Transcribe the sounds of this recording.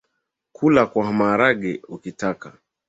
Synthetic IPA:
kʰulakwahamaɾaɡɛukitaka

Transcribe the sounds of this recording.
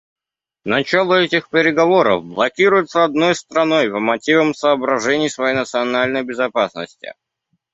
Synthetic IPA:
nɐt͡ɕalˠəɛtʲɪxpʲɪɾʲɪɡɐvo̞ɾə̰fblˠɐkʲiɾʊjɪt̪səɐd̪no̞jst̪ɾɐno̞jpəmɐtʲivəmsəːbɾɐʐɛnʲɪjsvɐjejnət̪sɨɐnalʲnəjbʲɪzɐpasnə̰sʲtʲɪ̰

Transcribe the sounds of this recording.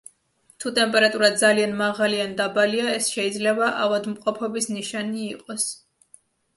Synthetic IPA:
t̪ʰut̪ʼɛmpʼɛɾat̪ʼuɾad̪zalianmaʁaliand̪abaliaɛsʃɛid̪zlɛbaʔavad̪mqʼɔpʰɔbisniʃaniːqʼɔs

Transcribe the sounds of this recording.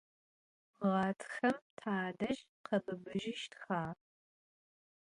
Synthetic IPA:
ʁɑːtʰxɐmtʰaːdɐʒ | qʰɐbɨbɨʒɪʃtxaː

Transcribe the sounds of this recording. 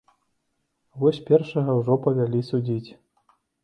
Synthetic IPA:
vɔsʲpʲɛrʂɐɣɐwʐɔpɐvʲalʲisud͡zʲit͡sʲ

